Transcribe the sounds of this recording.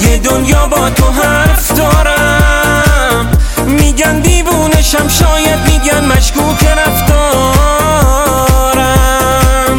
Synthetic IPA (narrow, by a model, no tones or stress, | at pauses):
jed̪onjɒːbɒːt̪ʰoɦæɾfd̪ɒːɾæ | mː | iːɡænd̪iːvuːneʃæmʃɒːjæd̪̚miːɡænmæʃkuːkʰeɾæft̪ɔː | ɾæ | m